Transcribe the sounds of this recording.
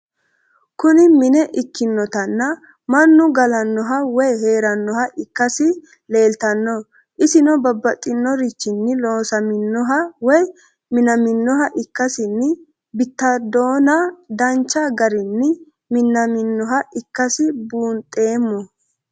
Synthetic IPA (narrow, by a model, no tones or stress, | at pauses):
kʊnɪmɪnɛʔɪkːɪnːɔt̪ɐnːɐ | mɐnːʊɡɐlɐnːɔɦɐwɔjhe̞ːɾɐnːɔhɐʔɪkːɐsɪ | le̞ːlt̪ɐnːɔ | ʔɪsɪnɔbɐbːɐt̪ʼːɪnːɔɾɪt͡ʃːɪnːɪlo̞ːsɐmɪnːɔɦɐwɔj | mɪnɐmɪnːɔɦɐʔɪkːɐsɪnːɪ | bɪt̪ːɐd̪o̞ːnɐd̪ɐnt͡ʃːɐɡɐɾɪnːɪ | mɪnːɐmɪnːɔɦɐʔɪkːɐsɪbuːnt̪ʼːe̞ːmːɔ